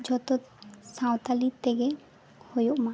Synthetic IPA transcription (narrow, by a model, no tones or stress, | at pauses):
d͡ʒɔt̪o | sãwt̪alit̪ːeɡe | hojoʔma